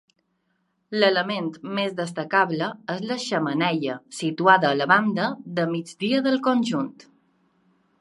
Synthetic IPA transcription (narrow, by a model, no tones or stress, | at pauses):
lələment̪mezðəs̬t̪əkaβləezləʃəmənɛʎəsit̪uaðəːləβand̪əðəmid͡zd̪iəðəlˠkonʲʒunt̪